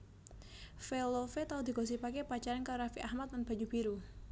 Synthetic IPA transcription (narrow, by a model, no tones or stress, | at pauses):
felofet̪aud̪i̤kos̬ipakepat͡ʃaɾankaɾafiʔahmat̪̚nanb̥a̤ɲub̥iɾu